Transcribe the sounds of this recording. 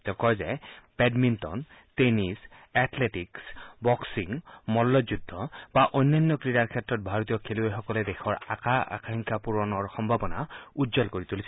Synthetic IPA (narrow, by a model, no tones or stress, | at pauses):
tɛkɔjzɛpɛdmintɔ̰n | tenisɛtʰletiksbɔksiŋmɔlːɔzudʱːɔbaʔɔjnːanːɔkɹiɹaɹkʰɛtɹɔt̚bʱaɹɔt̪̬ijɔkʰeluexɔkɔlɛdɛxʰɔɹa̰kaa̰kʰaŋkʰapuɹɔnɔɹxɔmbʱabɔna̰udzɔlkoɹit̪ulis